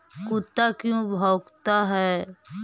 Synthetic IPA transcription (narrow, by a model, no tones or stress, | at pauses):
kut̪ːakjõbʱɔːkt̪aɦɛː